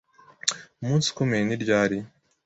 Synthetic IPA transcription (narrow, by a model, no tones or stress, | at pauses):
muːnsi̥kumeniɾɟaːɾi